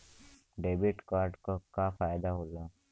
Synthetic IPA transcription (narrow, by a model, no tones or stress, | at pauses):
ɖeːbɪʈkaːɾɖkokafaːjd̪aɦoːlaː